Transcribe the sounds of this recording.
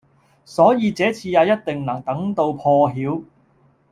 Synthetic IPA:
sɔː˨˥jiː˨˧t͡sɛː˨˥t͡sʰiː˧jaː˨˧wjɐ˥t̚t̪ɪ˨ŋnɐ˨˩ŋt̪ɐ˨˥ŋt̪o˧wpʰɔː˧ɦiː˨˥w

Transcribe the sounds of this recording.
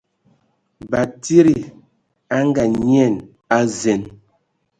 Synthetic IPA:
ba˨ti˦ɾi˨ | a˦ŋ˦ɡa˨ɲi˦ɛ˦˨n | a˦zɛ˨n

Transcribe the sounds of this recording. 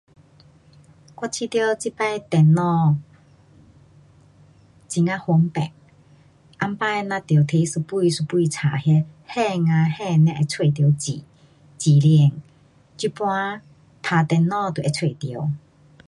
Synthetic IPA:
kwa˧˥t͡ɕʰi˧˥t̪jɔ˧˦t͡ɕi˦˥pa˧t̪ɛ˧nːɔ˥˧ | t͡ɕi˧˩ŋa˧˦ho˧˦ŋpɛ̰˨ŋ | ʔa˧mpa˧˦jnã˧t̪jwt̪ʰe˧˦su˧pu˧i˨su˧pu˧i˧t͡sʰa˨hjɛ˧hɛ˥˧ŋã˧hɛ˥˧nɛ̃˧˥ʔɛ˧t͡sʰwe˧˩˨t̪̬jwt͡ɕi˨ | t͡ɕi˨˩li˧˩ŋ | t͡ɕi˧˥pwã˦ | t̪ʰa˧t̪ɛ˧nːɔ˧t̪u˨ʔɛ˧t͡sʰwe˧˨t̪jə˧˦w

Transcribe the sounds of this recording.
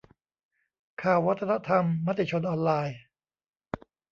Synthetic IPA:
kʰaː˨˩wːa˦˥t̪ʰːa˧na˦˥t̪ʰa˧mːa˦˥t̪ːi˧˩t͡ɕʰo˧nʔɔː˧nlaː˧j

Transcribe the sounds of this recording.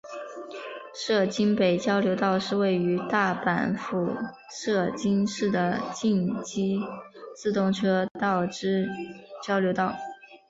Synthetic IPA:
ʂɤ˥˩t͡ɕi˥npe˨˩ɪt͡ɕjɑ˥ʊljo˧˥ʊt̪ɑ˥˧ʊʂɻ̩˥˧we˥˩ɪy˧˥t̪a˥˩pa̰˨˩nfu˨˩ | ʂɤ˥˩t͡ɕi˥nʂɻ̩˥˩d̪ə˩t͡ɕi˥˧nt͡ɕi˥t͡sɹ̩˥˧t̪ʊ˥˩ŋʈ͡ʂʰɤ˥t̪ɑ˥˩ʊʈ͡ʂɻ̩˥t͡ɕjɑ˥ʊljo˧˥ʊt̪ɑ˥˩ʊ

